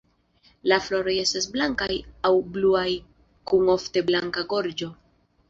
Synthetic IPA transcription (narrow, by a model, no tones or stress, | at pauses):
laflo̞ɾo̞je̞stasblaŋkajawbluaj | kuŋo̞fte̞blaŋkaɡo̞ɾd͡ʒo̞